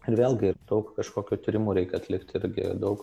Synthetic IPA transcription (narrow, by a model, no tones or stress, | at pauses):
ɪɾʋʲeːlʲˠɡʲɪd̪ɐʊkkɐʃkoːkʲut̪ʲiɾʲɪmuːɾʲɛɪkʲɛɐt̪ʲlʲɪkt̪ʲɪɾʲɡʲɪ̰d̪ɐʊk